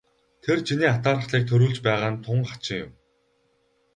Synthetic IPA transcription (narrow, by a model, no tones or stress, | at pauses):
t̪ʰert͡ɕʰiniːat̪aːɾə̆χɮiːk̚t̪ʰɵɾuːɮt͡ɕpæːʁaːnt̪ʰʊɴḁt͡ɕɪ̆ŋjʊ̰m